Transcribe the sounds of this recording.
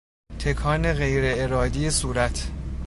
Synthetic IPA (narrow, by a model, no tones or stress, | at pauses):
t̪ʰekʰɒːne̞ɣe̞jɾeeɾɒːd̪ijesuːɾæt̪ʰ